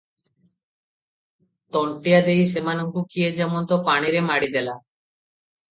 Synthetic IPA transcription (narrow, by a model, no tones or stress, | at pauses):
t̪ɔɳʈijad̪ejʃemanoŋkukijed͡ʑɛmont̪opaɽ̃iɾemaɽid̪ela